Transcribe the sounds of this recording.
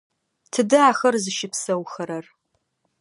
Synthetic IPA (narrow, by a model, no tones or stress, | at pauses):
tʰɨdɨaːxɐrzɨʃɪpsɐwxɐɾɐr